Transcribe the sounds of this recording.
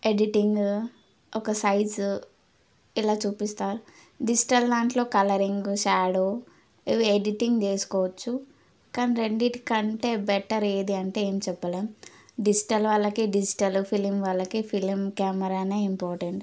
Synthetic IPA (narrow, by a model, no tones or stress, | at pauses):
eɖiʈiŋɡ | ɔkɐsɐjd͡ʒ | ilaːt͡ʃuːpist̪aːɾu | ɖid͡ʒi̥ʈɐld̪aːɳʈlo̞ːkɐlɐɾiŋɡʃaːɽo | iʋieɖiʈiŋɡd͡ʒeːsu̥kɔːʋɐt͡ʃːu | kaːniɾeɳɖiʈkɐɳʈe̞ːbɛʈɐɾeːd̪iɐɳʈe̞eːmit͡ʃɛpːɐleːmɖid͡ʒiʈɐlʋɐlːɐkiɖid͡ʒiʈɐlupʰilmʋɐlːɐkipʰilmkaːmɐɾaːneːimpɔːɾʈeɳʈ